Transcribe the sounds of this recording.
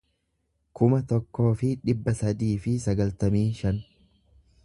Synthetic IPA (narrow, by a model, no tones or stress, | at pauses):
kʊmɐt̪ɔkːo̞ːfɪᶑɪbːɐsɐd̪iːfɪsɐɡɐlt̪ɐmiːnʃɐn